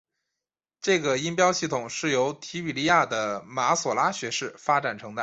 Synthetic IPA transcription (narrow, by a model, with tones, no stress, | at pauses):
ʈ͡ʂɤ˥˩ɡə˩i˥npjɑ˥ʊɕi˥˩t̪ʰʊ˨˩ŋʂɻ̩˥˩jo˧˥ʊt̪ʰi˧˥i˨˩li˥ja˥˩d̪ə˩ma˧˥swɔ˨˩la˥ɕɥɛ˧˥ʂɻ̩˥˩fa˥ʈ͡ʂa˨˩nʈ͡ʂʰɤ˧˥ŋd̪ə˧